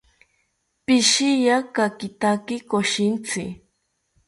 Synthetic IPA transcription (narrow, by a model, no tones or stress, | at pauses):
pɪʃɪjakakɪt̪akɪkoʃɪnt͡sɪ